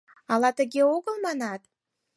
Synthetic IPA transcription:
ɑlɑt̪əɣeoɣəlˠmɑnɑt̪̚

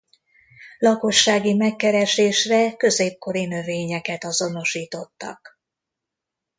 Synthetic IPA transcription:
lɒko̞ʃːaːɡimɛkːɛɾɛʃeːʃrɛkø̞zeːp̚ko̞ɾinøveːɲɛkɛt̪ɒzo̞no̞ʃiːt̪o̞t̪ːɒ̰k

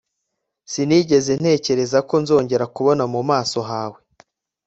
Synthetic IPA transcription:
siniːɟe̞ze̞n̥e̞ːce̞ɾe̞zako̞nzo̞ːɲɟe̞ɾakuβo̞namumaːso̞ɦaːwe̞

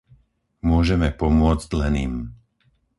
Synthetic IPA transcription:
mʊɔʒɛmɛpɔmʊɔd͡zclɛniːm

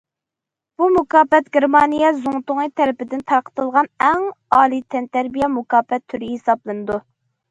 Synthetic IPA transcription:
b̥umukɑːpɛt̪̚ɡʲeɾmɑːnijɛzuŋt̪ʊŋit̪ʰɛɾɪpɪd̪ɪnt̪ʰɑɾqʰə̥t̪ɨlˠʁɑnɛŋɑːlˠit̪ʰɛnt̪æɾbijɛmukɑːpːɛt̪ʰːyɾɪhesɑblˠɨnɨd̪u

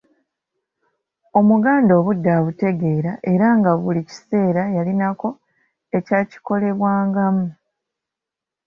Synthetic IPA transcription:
o̞muɡaːndo̞ːβudːaβute̞ɡe̞ːɾaʔe̞ɾaŋɡaβulici̥se̞ːɾajalinako̞ | e̞caːci̥ko̞le̞βwaːŋɡamu

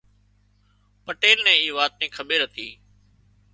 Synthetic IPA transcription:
pəʈeːlnɛ̃ːiːʋaːt̪̚nĩːkʰəɓeːɾət̪ʰiː

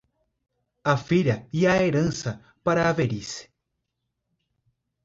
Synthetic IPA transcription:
afiɾɐiaeɾɐ̃nsɐ | paɾɐːveɾis

